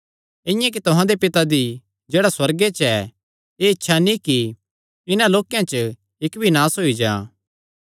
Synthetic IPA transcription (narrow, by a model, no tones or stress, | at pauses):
ɪ̃jãk̬it̪ʊɦãd̪epɪt̪ad̪i | d͡ʒeːɽaswɐɾɡet͡ʃɛ | eɪtːʃʰanĩki | ɪnãloːkːjãt͡ʃə | ɪkbʱinaːsɦoːid͡ʒã̰ː